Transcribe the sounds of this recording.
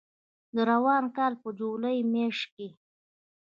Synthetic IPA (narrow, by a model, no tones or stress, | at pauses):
d̪əɾawɑnkɑlpəd͡ʒoləjmeʂke